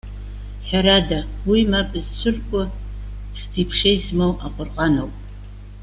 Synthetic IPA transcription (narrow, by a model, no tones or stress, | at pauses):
ħaɾadawimapʼɨzt͡sʷʰʊrkʷʼʊ | sdipʰʂejsmowʔaqʷʼʊrqʼanowpʼ